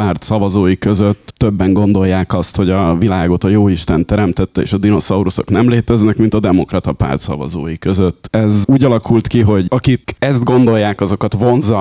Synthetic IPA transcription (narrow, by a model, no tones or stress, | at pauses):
paːrt̪sɒvɒzoːjikø̞zøt̪ːøbːɛŋɡo̞nd̪o̞jːaːkɒst̪ho̞ɟɒvilaːɡo̞t̪ɒjoːiʃt̪ɛnt̪ɛɾɛmt̪ɛt̪ːɛḛːʃɒd̪ino̞sɒuɾuso̞̰knɛmleːt̪ɛznɛkmint̪ɒd̪ɛmo̞krɒt̪ɒpa̰ːrt̪sɒ̰vɒ̰zo̰ːjikøzøt̪ːɛzuːɟɒlɒkult̪kiɦo̞ɟɒkikɛzd̪ɡo̞nd̪o̞jːaːkɒzo̞kɒt̪vo̞nzɒ